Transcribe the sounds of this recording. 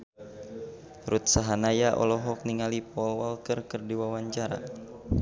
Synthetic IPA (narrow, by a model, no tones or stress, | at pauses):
ɾut̪̚saɦanajaʔɔ̰lɔɦɔk̚niŋalipɔlwalkərkərdiwawaɲt͡ʃaɾa̰